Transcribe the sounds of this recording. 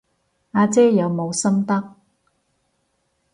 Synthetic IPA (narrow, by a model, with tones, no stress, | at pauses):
aː˧t͡sɛː˥jɐ˨˧wmo˨˧wsɐ˥mt̪ɐ˥k̚